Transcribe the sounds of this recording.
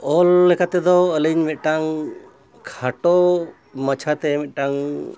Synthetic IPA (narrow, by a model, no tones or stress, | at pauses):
ɔlːɛkat̪ɛd̪ɔələɲmɛt̪̚ʈaŋ | kʰaʈɔ | mət͡ʃʰat̪ɛmɛt̪̚ˀʈaŋ